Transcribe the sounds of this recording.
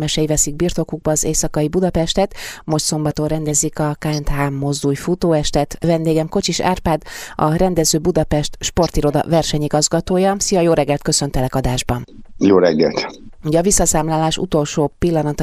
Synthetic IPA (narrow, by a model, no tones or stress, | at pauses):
mɛʃɛjivɛsiɡ̚birt̪o̞kuɡ̚bɒːzeːsɒkɒibud̪ɒpɛʃt̪ɛt̪mo̞ʃt̪so̞mbɒt̪onrɛnd̪ɛzikɒkaːɛnt̪ɦaːmːo̞zd̪uːjfut̪oːɛʃt̪ɛt̪vɛnd̪eːɡɛmkot͡ʃiʃa̰ːrpaːd̪ɒɾɛnd̪ɛzøːbud̪ɒpɛʃt̪ʃpo̞rt̪iɾo̞d̪ɒ̰vɛrʃɛɲiɡɒzɡɒt̪oːjɒsijɒjoːɾɛɡːɛlt̪kø̞sø̞nt̪ɛlɛkɒd̪aːʒbɒnjoːɾɛɡːɛ̰lt̪uɟɛːvisːɒsaːmlaːlaːʃṵt̪o̞lʃoːpilːɒnɒt̪